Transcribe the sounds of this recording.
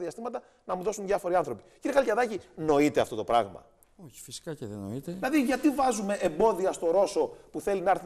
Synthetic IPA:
ðiɐst̪imɐt̪ɐ | nɐmuðo̞sunðʝɐfo̞ɾiɐnθɾo̞pi̥ciɾieɐlcɐðɐcino̞it̪e̞ɐ̰ft̪o̞t̪o̞pɾɐ̰ɣmɐ̰ | oçi̥fisi̥kɐceðeno̰it̪eilɐðiʝɐt̪ivɐzume̞ʔembo̞ðiɐst̪o̞ɾo̞sopuθe̞linɐɐɾθ

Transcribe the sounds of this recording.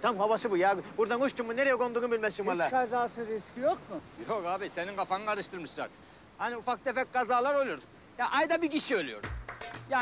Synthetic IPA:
t̪ʰamhaβasɯbujabuɾd̪anɡoʃt̪ʰumːune̞ɾejɛɡʰo̞nd̪uːnubilʲmɛst͡ʃ̪imaɾlˠakʰazaːsɯɾiscʲijokmʊjokaːbiseninɡafanɯaɾɯʃt̪ʰɯɾmɯʃlˠa̰ɾ | haniufak̚t̪efɛk̚ɡazaːlˠaɾolˠujoɾd̪ | jaʔajd̪abiɟiʃiølʲˠyjoɾja

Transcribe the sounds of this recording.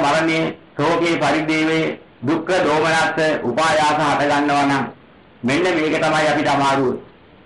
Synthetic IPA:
maɾɐnejesoːkeːpaɾid̪iːʋe | d̪ukːəd̪oːmənaːsəʔupaːjaːsɐɦat̪ɐɡanːəʋanaŋ | menːəmeːkət̪amajapiʈamaːɾuʋə

